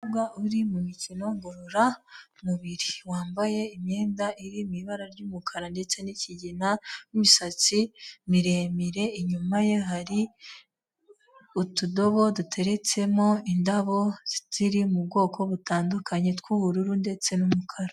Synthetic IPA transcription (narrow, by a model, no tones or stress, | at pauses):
abɡaʔuɾimumicino̞ŋɡo̞ɾoɾamuβiɾiwaːmbaje̞imɲe̞ːndaʔiɾimiβaɾaɾɟuːmukʰaɾande̞t͡se̞niciɟinaumisat͡simiɾeːmiɾe̞iɲumaje̞ɦaɾi | utudo̞βo̞dutʰe̞ɾe̞t͡se̞mo̞indaβo̞z̥iz̥iɾimub̚ɡo̞ːko̞βutaːndukʰaɲe̞tkwuuɾuɾunde̞t͡se̞numukʰaɾa